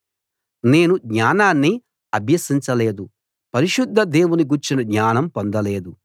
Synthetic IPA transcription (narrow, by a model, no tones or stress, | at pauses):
ne̞ːnuɡɲaːnaːnːi | ɐbʱjɐsiɲt͡ʃɐle̞ːd̪u | pɐɾiʃud̪ʱːɐd̪e̞ːwuniɡuɾt͡ʃinɐɡɲaːnɐmpo̞nd̪ɐle̞ːd̪u